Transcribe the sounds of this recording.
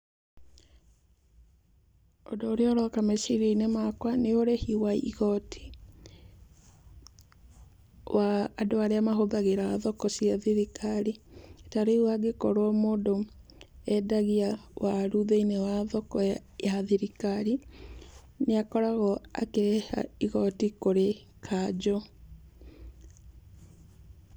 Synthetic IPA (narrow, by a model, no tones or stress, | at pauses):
odoːɾeɔɾɔkamesiɾeinemakwaneoɾehiwaiɣɔtʰi̥ | wʔaːdoaɾeamaɦoðaɣeɾaaðɔkɔsiaðiɾikʰaɾietaɾewaɡekɔɾowɔmoːdo | ɛdaɣiawaɾuðeinewaðɔkɔjaðiɾikaɾi | neakɔɾaɣɔa̰keɾɛha̰iɣɔtikoɾe | kʰad͡ʑɔ